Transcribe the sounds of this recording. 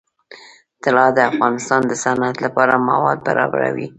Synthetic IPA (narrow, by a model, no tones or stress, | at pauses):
t̪ɪlɑd̪əafɣɑnɪst̪ɑnd̪əsanat̪lapɑɾamawɑd̪̚ba̰ɾɑ̰ba̰ɾa̰wi